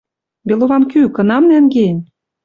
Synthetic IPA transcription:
beloβɑmkykɤ̆nɑmnæŋɡenʲ

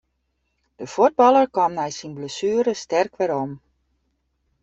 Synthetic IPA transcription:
d̥əfud̚bɑlˠərkɑmnɛjsinbləsyəɾəstɛrkʋɛɾom

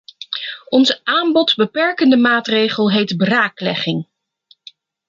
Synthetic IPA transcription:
ɔnzəʔaːmbɔtzbəpɛɹkəndəmaːtrejχəlˠɦejtbraːklɛ̰χɪŋ

